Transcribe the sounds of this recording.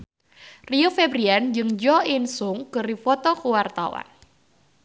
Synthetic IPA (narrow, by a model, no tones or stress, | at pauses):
riofɛbɾiand͡ʒɨŋd͡ʒɔinsʊŋkɨrifɔt̪ɔkuwart̪a̰wa̰n